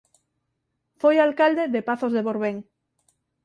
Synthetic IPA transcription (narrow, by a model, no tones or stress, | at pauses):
fojalkald̪eðepaθozðeβoɾβeŋ